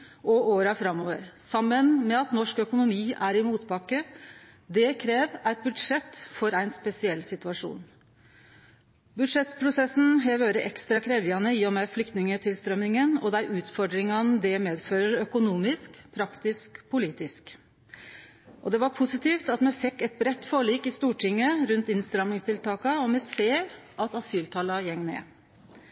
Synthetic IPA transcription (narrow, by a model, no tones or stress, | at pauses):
ʔɔʔoːɾɑfɾɑmːoːʋəɾsɑmːənmɛɑt̪nɔʂkœkʊnʊmiːʔæɾɪmuːt̪pɑkːə | d̪ɛkʰɾeːʋæɪt̪̚bʉd̪ʂɛt̪ːfɔɾæɪnspɛsɪɛlːsɪt̪ʉɑʂṵːn | bʉd̪ʂɛt̪spʰɾʊsɛsn̩ɦɛʋøːɾəʔɛkst̪ɾɑkʰɾeːʋəɑnəiːɔmɛflʏkt̪nɪŋət̪ʰɪlst̪ɾœmːɪŋənɔ̰d̪æɪʔʉːt̪fɔɖ̪ɾɪŋɑnd̪ɛmeːd̪føːɾəɾœkʊnuːmɪskpʰɾɑkt̪ɪskpʰʊliːt̪ɪsk | ʔɔd̪ɛʋɑɾpʰʊsɪt̪ʰiːft̪ɑt̪mɛfɛkːɛt̪̚bɾɛt̪ːfoːɭiːkɪst̪uːʈʰɪŋːəɾʉnt̪ɪnst̪ɾɑmnɪŋst̪ɪlt̪ʰɑːkɑɔmɛseːɾʔɑt̪ɑsyːlt̪ʰɑːlɑjɛŋnḛː